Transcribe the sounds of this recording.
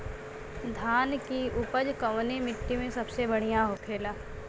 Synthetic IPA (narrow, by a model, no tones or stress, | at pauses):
d̪ʱaːnkiʊpəd͡ʒkɐʋnemɪt̪ːimẽsɐbsebɐɽ̤ijãɦoːkʰeːlaː